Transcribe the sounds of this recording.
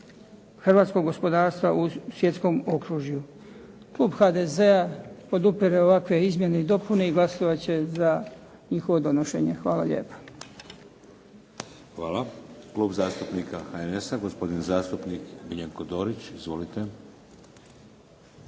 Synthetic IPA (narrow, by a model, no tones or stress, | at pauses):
xrʋaːt̪sko̞ɡːo̞spo̞d̪aːɾst̪ʋaʔusʋje̞t̪sko̞mo̞kɾuʒju | klˠuːbxad̪e̞ze̞apo̞d̪upiɾeo̞ʋakʋe̞izmje̞neid̪o̞pune̞iɡlˠasoʋat͡ɕe̞za | ɲixo̞ʋo̞d̪o̞noʃe̞̰ɲe̞xʋaːla̰ʎḛːpḁ | xʋaːlaklˠuːbzaːst̪upnikaxaenesaɡospo̞d̪inzaːst̪upnikmiʎaŋkod̪oːɾit͡ɕizʋo̞lit̪e